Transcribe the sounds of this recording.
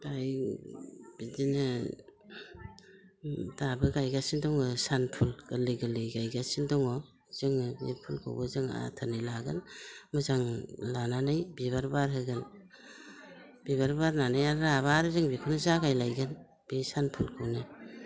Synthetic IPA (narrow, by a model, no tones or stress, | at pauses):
ɡaj | b̥idinɯ | dabɯɡajɡasindɔŋɯsanpʰulɡ̥ɯliɡɯlɯɡajɡasindɔŋɔ | zɯŋɯbḛpʰulkʰo̰wbɯzɯŋa̰tʰanɯjlaɡɯnmɯzaŋlananajbiβaɾbaɾɦɯɡɯn | b̥ibaɾbaɾnanajaɾɾaβaɾzɯŋbekʰɔnɯzaɡajlajɡɯn | b̥esanpʰulkʰuwnɯ